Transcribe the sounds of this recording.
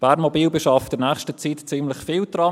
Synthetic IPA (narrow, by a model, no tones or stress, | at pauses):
b̥æɾnmɔbiːlbəʃɑfdənæːχʃtət͡sitt͡simləxfiːlt̪ɾɑ